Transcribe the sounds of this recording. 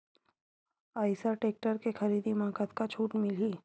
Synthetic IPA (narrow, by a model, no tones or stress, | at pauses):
aːɪsaʈeːk̚ʈəɾkexɐɾiːd̪imãːkət̪kat͡ʃʰuːʈmɪliː